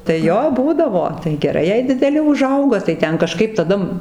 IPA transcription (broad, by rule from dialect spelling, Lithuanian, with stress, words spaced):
tɐɪ ˈjoː ˈbuːdɐʋoː tɐɪ ɡʲɛˈrɐɪ jɛɪ dʲɪdʲɛˈlʲɪ ʊˈʒɐʊɡɐ tɐɪ ˈtʲɛn kɐˈʃkɐɪp tɐˈdɐ